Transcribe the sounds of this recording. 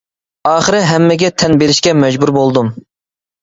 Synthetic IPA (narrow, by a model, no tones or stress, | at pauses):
ɑːχəɾɪɦɛmːɪɡʲɛt̪ʰɛnbeɾɪʃkʲɛmɛd͡ʒbuɾbolˠd̪um